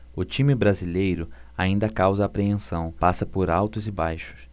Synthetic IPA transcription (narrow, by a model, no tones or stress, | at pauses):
ʊt͡ʃĩmɪbɾazilejɾʊaĩnd̪ɐkawzɐaːpɾeẽsɐ̃w̃pasɐpoɾawt̪ʊzɪbajʃʊ̥s